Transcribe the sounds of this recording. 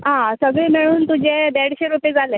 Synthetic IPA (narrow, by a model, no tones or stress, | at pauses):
ɦãsəɡɭẽmeɭuːnt̪ud͡ʑeb̪eɽɕeɾuped͡zʱale